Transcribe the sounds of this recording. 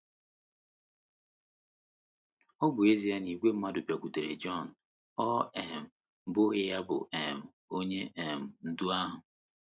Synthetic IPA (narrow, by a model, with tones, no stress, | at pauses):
ɔ˦bʊ˨e˦zi˨a˦ni˨ɡʷe˦m̩˦ma˦dʊ˨pja˨kʷu˨te˨ɾḛ˨d͡ʒɔ˦˨n̩˨ | ɔ˦ɛ˨m̩˨˦ | bʊ˦ɣɪ˦ja˦bʊ̰˨ɛ˨m̩˨ | o˦ɲe˦ʔe˨m̩˨n̩˨du˦a˦ɦʊ˨